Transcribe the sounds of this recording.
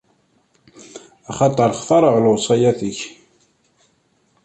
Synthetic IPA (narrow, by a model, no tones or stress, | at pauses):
ɑχɑt̪ˤəɾˤχθɑɾˤəʁlʊʁsˤɑjæθəç